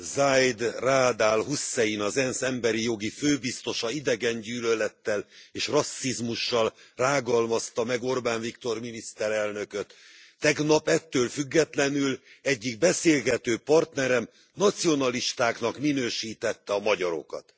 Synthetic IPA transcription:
zajd̪raːd̪aːlɦusːɛjinɒzɛnsɛmbɛɾijo̞ɡiføːbist̪o̞ʃɒid̪ɛɡɛɲɟyːlølɛt̪ːɛleːʃrɒsːizmuʃːɒlraːɡɒlmɒst̪ɒmɛɡo̞rbaːnvikt̪o̞rminist̪ɛɾɛlnø̞køt̪ː | ɛɡnɒpɛt̪ːøːlfyɡːɛt̪lɛnylɛɟːiɡ̚bɛseːlɡɛt̪øːpɒrt̪nɛɾɛm | nɒt̪sio̞nɒliʃt̪aːkn̪ɒkminøːʃiːt̪ɛt̪ːɛɒmɒɟɒɾo̞̰kɒ̰t̪

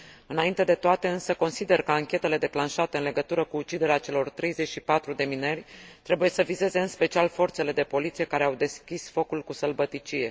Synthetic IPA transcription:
ɨnaint̪e̞d̪e̞t̪oat̪e̞ɨnsəko̞nsid̪e̞rkəaŋkʲe̞t̪e̞le̞d̪e̞klanʃat̪e̞ɨnle̞ɡət̪uɾəkuːt͡ʃid̪e̞ɾeat͡ʃe̞lo̞rt̪ɾe̞jze̞t͡ʃʲʃipat̪ɾud̪e̞minerʲt̪ɾe̞buje̞səvize̞ze̞ɨnspe̞t͡ʃialfo̞rt̪se̞le̞d̪e̞po̞lit̪sije̞kaɾe̞awd̪e̞skʲisfo̞kulkusəlbət̪it͡ʃije̞

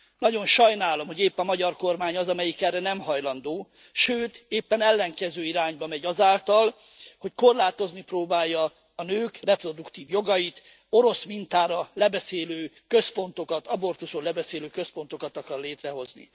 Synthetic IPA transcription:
nɒɟo̞nʃɒjnaːlo̞mho̞ɟeːpːɒmɒɟɒrko̞rmaːɲɒzɒmɛjikɛrːɛnɛmɦɒjlɒnd̪oː | ʃøːt̪eːpːɛnɛlːɛŋkɛzøːiɾaːɲbɒmɛɟɒzaːlt̪ɒl | ho̞cko̞rlaːt̪o̞zniproːbaːjːɒː | nøːkrɛpro̞d̪ukt̪iːvjo̞ɡɒjit̪ | o̞ɾo̞smint̪aːɾɒlɛbɛseːløː | kø̞spo̞nt̪o̞kɒt̪ɒbo̞rt̪uʃolɛbɛseːløːkøspo̞nt̪o̞kɒt̪ɒkɒrleːt̪rɛɦo̞znḭ

